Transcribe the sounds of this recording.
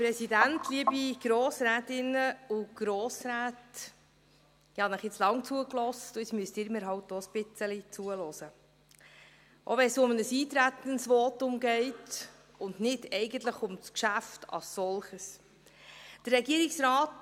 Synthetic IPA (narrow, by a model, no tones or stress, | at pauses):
pɾɛsidæntʰliəbiɡ̥ɾoːsɾæːtɪnːəuɡ̥ɾoːsɾæːt | ɪhɑnəχjɪt͡slɑŋt͡suəklɔstʊsmyəstɪːɾmɪɾɦɑwt̚d̥oːspɪt͡səlit͡suəlɔːsə | ʔoʋɛnsʊmənəsiːt̪ɾæt̪ənsʋɔːtʊmɡɛɪt | ʊnnɪdɛɪɡənt̪ləχʊmskʃæftɑ̰lssɔlχəs | d̥ərɛɡiəɾiksɾɑːt